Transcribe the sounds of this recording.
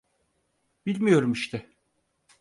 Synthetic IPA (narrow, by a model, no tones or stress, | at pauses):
b̥ilʲmijo̞ɾumiʃt̪ʰɪ